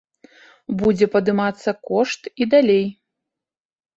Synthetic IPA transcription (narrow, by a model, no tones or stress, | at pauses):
bud͡zʲɛpɐd̪ɨmat̪sːɐkɔʂt̪id̪alʲej